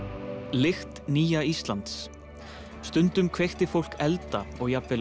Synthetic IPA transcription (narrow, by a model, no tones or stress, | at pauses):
lɪxt̪niːjaist̪lant̪s | st̪ʏnt̪ʏmkʰvejxt̪ɪfowl̥kɛlt̪aɔɣjapvɪl